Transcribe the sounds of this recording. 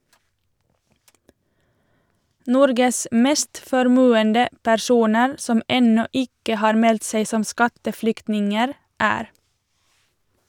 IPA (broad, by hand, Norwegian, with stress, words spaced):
ˈnɔɾɡəs ˈmeːst fɔɾˈmʉːəndə pæɾˈsuːnəɾ ˈsɔm ˈɛnɔ ˈɪkə ˈhɑːɾ ˈmɛlt ˈseɪ ˈsɔm ˈskɑtəˌflʏktnɪŋəɾ ˈæːɾ